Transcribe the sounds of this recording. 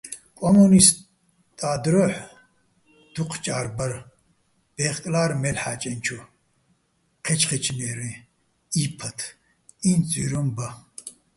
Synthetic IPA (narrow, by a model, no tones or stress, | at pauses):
kʼɔmunis | t̪ʼaːd̪ɾɔħ | d̪̥uqʰt͡ʃʼaːɾbɐɾ | b̥eχkʼlaːɾmɛlħaːt͡ʃʼɛnt͡ʃʰu | qʰɛt͡ʃʰʼχɛt͡ʃʰʼnɛːɾi | ipʰɐt̪ʰ | int͡sʼyːɾɔmbɐ